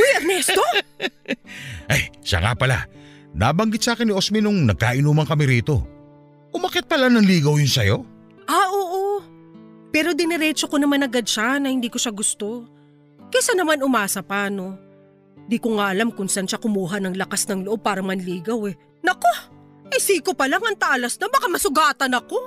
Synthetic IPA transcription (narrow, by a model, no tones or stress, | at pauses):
ɛjɐɡ̚nɛst̪o̞ | ʔajʃa̰ŋa̰pɐla̰na̰bɐŋɡɪt̪̚saːkɪnɪʔosminʊŋnɐɡ̚kaːʔɪnuːmɐŋkɐmiɾiːt̪o̞̰ | kʊmakɪt̪̚pɐlanɐŋliːɡɐwjʊnsɐjo̞ | ʔaʔoːʔo | pɛːɾo̞d̪ɪnɛɾɛːt͡ʃo̞ko̞nɐmanɐɡad̪̚ʃanɐhɪnd̪iːko̞ʃaɡʊst̪o̞ | kɛsanɐmanʊmaːsɐpano̞ | ɪnd̪iːkoŋaʔɐlamkʊnsɐnʃakʊmuːɦɐnɐŋlɐkasnɐŋloʔo̞b̚paːɾɐmɐnliːɡɐwɛ | nɐko | hɪsiːkopɐlaŋɐŋt̪ɐʔalɐsnɐbɐkamɐsʊɡaːt̪ɐnɐko̞